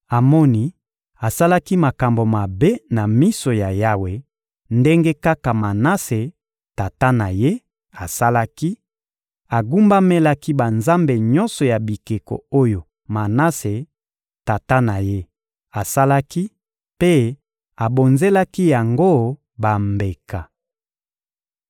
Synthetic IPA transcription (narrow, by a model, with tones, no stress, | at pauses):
a˨mɔ˦ni˦ | a˨sa˦la˦ki˦ma˨ka˨mbo˨ma˨be˦na˨mi˦so˨ja˨ja˦we˨ | nde˦ŋɡe˦ka˦ka˨ma˨na˦se˨ | ta˨ta˦na˨je˦ | a˨sa˦la˦ki˦ | a˨ɡu˦mba˦me˦la˦ki˦ba˨nza˦mbe˨ɲɔ˦nsɔ˨ja˨bi˨ke˨ko̰˨o˦jo˨ | ma˨na˦se˨ | ta˨ta˦na˨je˦ | ta˨sa˦la˦ki˦ | pe˦ | a˨bo˨nze˦la˦ki˦ja˨ŋɡo˦ | ba˨mbe˨ka˨